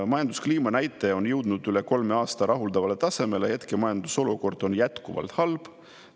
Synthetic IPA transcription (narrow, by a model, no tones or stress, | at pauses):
mɑjɑnd̪uskliːmɑnæjt̪ːˑe̞o̞njɤwd̪̥nud̪̥yle̞ko̞lme̞ɑːst̪ɑɾʔɑɦuld̪̥ɑvɑle̞t̪ɑse̞me̞lehe̞t̪kemɑjɑnd̪̥uso̞luko̞rd̪̥o̞njæt̪kuvɑ̰lt̪hɑlb̥